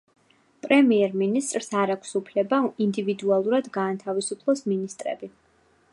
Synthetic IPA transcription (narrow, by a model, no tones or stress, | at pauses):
pʼɾɛmiɛɾminist̪ʼɾsaɾakʷʰsupʰlɛbaind̪ivid̪ualˠuɾad̪ɡaːnt̪ʰavisupʰlˠɔsminist̪ʼɾɛ̰bi